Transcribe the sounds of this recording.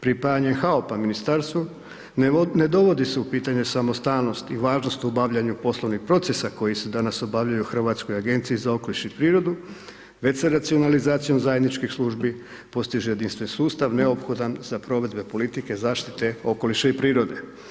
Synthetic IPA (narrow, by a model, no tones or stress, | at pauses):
pɾipajaɲexaopaminist̪aːɾst̪ʋu | ne̞d̪o̞ʋo̞d̪iseupiːt̪aɲesamo̞st̪aːllno̞st̪iʋaːʒno̞st̪ubaʋʎaɲupo̞slˠoʋnixpɾo̞t̪sesako̞jise̞d̪anasobaʋʎajuxr̩ʋaːt̪sko̞jaɡe̞nt̪sijizao̞ko̞liʃeipɾiːɾo̞d̪u | ʋe̞seɾat̪sio̞nalizaːt̪sijo̞mzaje̞d̪nit͡ʃkixslˠuʒbi | po̞st̪iʒeje̞d̪inst̪ʋe̞nsuːst̪aʋne̞opxo̞d̪anzapɾo̞ʋe̞d̪be̞po̞lit̪ike̞zaːʃt̪it̪e̞o̞ko̞liʃeipɾiːɾo̞d̪e̞